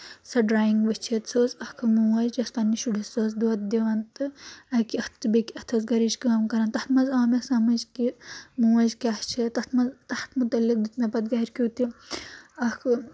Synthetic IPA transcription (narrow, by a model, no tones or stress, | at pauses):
sɐɖɾaːjiŋɡʋɐt͡ʃʰet̪soːsɐkʰɨmuwɐd͡ʒd͡ʒɐspanːiʃuɽisoːsd̪uɐt̪̚d̪iʋɐnt̪ɨɐkiɐt̪ːɨbekiɐt̪ʰosɡɐɾid͡ʒkaːmkɐɾaːnt̪ɐt̪mɐzaːmɐsɐmɐd͡ʒkimuɐd͡ʒkʲaht͡ʃʰit̪ɐt̪ʰmɐzt̪ɐht̪ʰmut̪ɐlːik̚d̪ɨt̪mɐpɐt̪̚ɡɐiɾʲkʲoːt̪i | ɐkʰɨ